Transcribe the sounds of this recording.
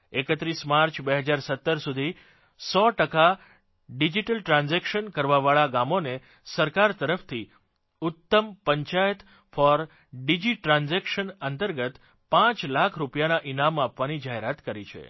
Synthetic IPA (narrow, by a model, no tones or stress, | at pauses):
ekət̪ɾismaɾt͡ʃʰbeɦəd͡ʒaɾsət̪ːəɾsud̪ʱi | sɔʈəka | ɖid͡ʒiʈəlʈɾãnzɛkʃənkəɾʋaʋaɭaɡamone | səɾkaɾt̪əɾəft̪ʰi | ʊt̪ːəmpəɲt͡ʃajət̪ | fɔɾ | ɖid͡ʒiʈɾãnzɛkʃənənt̪əɾɡət̪ | pãt͡ʃlakʰɾupjanaʔinamapʋanid͡ʒaɦeɾat̪kəɾit͡ʃʰḛ